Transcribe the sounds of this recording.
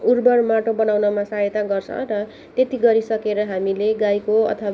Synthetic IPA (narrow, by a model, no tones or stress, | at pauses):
urbʌrmaʈobʌnawnʌmasaɦet̪aɡʌrt͡sʰʌ̰̃rʌ | t̪et̪iɡʌɾisʌkeɾʌɦamileɡajkoʌ̰t̪ʰʌw